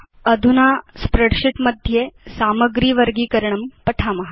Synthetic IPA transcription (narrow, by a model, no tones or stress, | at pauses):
əd̪ʱunaspɾəɽʂiʈməd̪ʱjesaːməɡɾiːʋəɾɡiːkəɾɳɐmpɐʈʰamɐɦa